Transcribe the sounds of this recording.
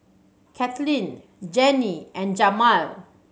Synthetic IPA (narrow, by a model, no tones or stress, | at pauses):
kʰɛt̪lĩn | d͡ʒɛniɛ̃nd͡ʒamal